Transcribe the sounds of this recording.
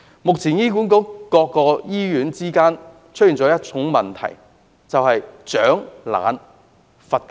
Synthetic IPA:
mʊ˨k̚t͡sʰiː˨˩njiː˥kuː˨˥nkʊ˨˥kɔː˧kːɔː˧jiː˥ɥyː˨˧˥nt͡siː˥kaː˥n | t͡ʃʰɵ˥jiː˨˩nt͡sɔː˨˥jɐ˥t̚t͡ʃʰʊ˨˥ŋmɐ˨nt̪ʰɐ̰˨˩j | t͡sɐ˨whɐ˨jt͡ʃœː˨˥ŋla̰ː˨˧n | fɐ˨t̚k

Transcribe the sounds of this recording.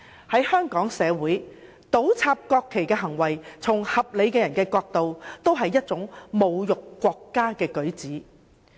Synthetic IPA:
hɐ˨˥jhœː˥ŋkɔː˨˥ŋsɛː˨˧wuː˨˥j | t̪o˨˥wt͡sʰaː˧p̚kɔː˧kʰːe˨˩jkɛː˧ɦɐ˨˩ŋwɐ˨˩jt͡sʰʊ˨˩ŋhɐ˨p̚le˨˧jkɛː˧jɐ˨˩nkɛː˧kɔː˧k̚t̪o˨wt̪o˥wɦɐ˨jːɐ˥t̚t͡sʊ˨˥ŋmo˨wjʊ˨kːʷɔː˧kːaː˥kɛː˧kɵ˨˥ɥt͡siː˨˥

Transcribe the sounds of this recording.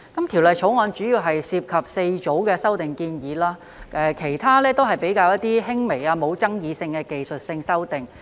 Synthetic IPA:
kɐ˨˦mt̪ʰi˨˩wlɐ˨jt͡ʃʰo˨˥wŋɔː˨˧nt͡ʃyː˨˥jiː˧wɦɐ˨jsiː˧p̚kʰɐ˨p̚se˧jt͡so˨˥wkɛː˧sɐ˥wt̪ɪ˨˩ŋkiː˧njiː˨˧laː˥ | ɛː˨˧kʰe˨˩jt̪ʰaː˥lɛː˥t̪o˥wɦɐ˨jpe˨˥jkaː˧wjɐ˥t̪̚t̪ːiː˥ɦɪ˥ŋme˨˩jaː˧mo˨˧wt͡sɐ˥ŋjiː˨˧sɪ˧ŋkɛː˧ke˨jsɵ˨t̚sɪ˧ŋsɐ˥wt̪ɪ˨˩ŋ

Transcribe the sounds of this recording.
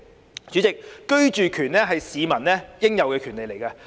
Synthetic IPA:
t͡ʃyː˨˥t͡sɪ˨k̚ːɵ˥ɥt͡ʃyː˨kʰyː˨˩nɛː˥ɦɐ˨jsiː˨˧mɐ˨˩nnɛː˥jɪ˥ŋjɐ˨wkɛː˧kʰyː˨˩nle˨jle˨˩jkɐː˧

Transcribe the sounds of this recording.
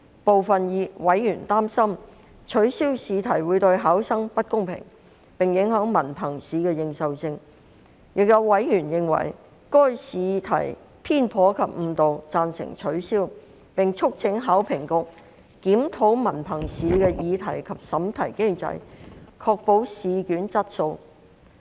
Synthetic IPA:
po˨wfɐ˨njiː˨˧wɐ˨˥jjyː˨˩nt̪aː˥msɐ˥m | t͡ʃʰɵ˨˥ɥsiː˥wsiː˨˧t̪ʰɐ˨˩jwuː˨˧jt̪ɵ˧ɥɦaː˨˥wsɐ˥ŋpɐ˥t̚kʊ˥ŋpʰɪ̰˨˩ŋ | pɪ˨ŋjɪ˨˥ŋɦœː˨˥ŋmɐ˨˩npʰɐ˨˩ŋsiː˨˥kɛː˧jɪ˨˧ŋsɐ˨wsɪ˧ŋ | jɪ˨k̚jɐ˨˧wːɐ˨˥jjyː˨˩njɪ˨ŋwɐ̰˨˩j | kɔː˥jsiː˨˧t̪ʰɐ̰˨˩j | pʰiː˥npʰɔː˨˧˥kʰɐ˨p̚m̩˧t̪o˨wt͡saː˧nsɪ̰˨˩ŋt͡ʃʰɵ˨˥ɥsiː˥w | pɪ˨ŋt͡ʃʰʊ˥k̚t͡sʰɪ˨˧˥ŋɦaː˨˥wpʰɪ˨˩ŋkʊ˨˧k̚ | kiː˨˥mt̪ʰo˨˥wmɐ˨˩npʰɐ˨˩ŋsiː˨˥kɛː˧jiː˨˧t̪ʰɐ˨˩jkʰɐ˨p̚sɐ˨˥mt̪ʰɐ˨˩jke˥jt͡sɐ̰˧jkʰɔː˧k̚po˧wsiː˨˧kyː˨˥nt͡sɐ˥t̚so˧w

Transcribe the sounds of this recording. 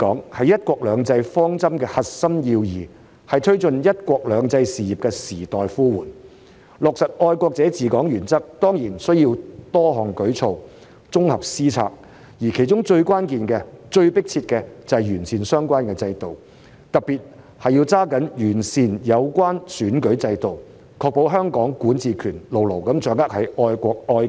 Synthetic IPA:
kɔː˨˥ŋhɐ˨jːɐ˥t̚kʷɔː˧k̚lœː˨˧˥ŋt͡sɐ˧jfɔː˥ŋt͡sɐ˥mkɛː˧hɐ˨t̚sɐ˥mjiː˧wjiː˨˩ | hɐ˨jt̪ʰɵ˥ɥt͡sɵ˨njɐ˥t̚kʷɔː˧k̚lœː˨˧ŋt͡sɐ˧jsiː˨˩ji˨p̚kɛː˧siː˨˩t̪ɔː˨˩jfuː˥wuː˨˩n | lʊ˨k̚sɐ˨t̚ɔː˧jkʷɔː˧k̚t͡sɛː˨˥t͡siː˨˩kɔː˨˥ŋjyː˨˩nt͡sɐ˥k̚t̪ɔː˥ŋjiː˨˩nsɵ˥ɥjiː˧wt̪ɔː˥ɦɔː˨˩ŋkɵ˨˥ɥt͡sʰo˧w | t͡sʊ˥ŋhɐ˨p̚siː˥t͡sʰa̰ː˧k̚ | jiː˨˩kʰe˨˩jt͡ʃʊ˥ŋt͡ʃɵ˧ɥkʷwaː˥nkiː˨nkɛː˧t͡ʃɵ˧ɥpɪ˥k̚t͡sʰiː˧t̚kɛː˧t͡sɐ˨˩jjyː˨˩nsiː˨˩nsœː˥ŋkʷaː˥nkɛː˧t͡sɐ˧jt̪o˨w | t̪ɐ˨k̚piː˨t̚ | hɐ˨jiː˧wt͡saː˥kɐ˨˥njyː˨˩nsiː˨njɐ˨˧wkʷaː˥nsyː˨˥nkɵ˨˥ɥt͡sɐ˧jt̪o˨w | kʰɔː˧k̚po˨˧wɦœː˥ŋkɔː˨˥ŋkuː˨˥nt͡siː˨kʰyː˨˩nlo˨˩wlo˨˩wkɐ˨˥mt͡ʃœː˨˥ŋɐ˥k̚hɐ˨˥jʔɔː˧jkʷɔː˧k̚ɔː˧j

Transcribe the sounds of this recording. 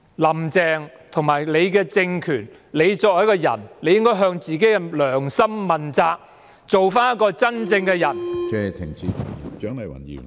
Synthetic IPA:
lɐ˨˩mt͡sɛː˨˧ŋ | t̪ʰʊ˨˩ŋmaː˨˩jle˨˧jkɛː˧t͡sɪ˧ŋkʰyː˨˩n | le˨˧jt͡sɔː˧k̚jɐ˨˥kɔː˧jɐ̰˨˩nle˨˧jɪ˥ŋkɔː˥jɦœː˧ŋt͡siː˨ke˨˥jkɛ˧lœː˨˩ŋsɐ˥mːɐ˨˩nt͡saː˧k̚ | t͡so˨wfaː˥njɐ˥t̚kɔː˧t͡sɐ˥nt͡sɪ˧ŋkɛ˧jɐ˨˩nt͡sɛː˨t̪ʰɪ˨˩ŋt͡siː˧˨˩t͡ʃœː˨˥ŋlɐ˨˩wɐ̰˨˩njḭː˨˩ŋ

